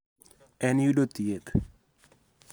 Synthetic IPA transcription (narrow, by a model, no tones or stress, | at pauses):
ɛnjudot̪iet̪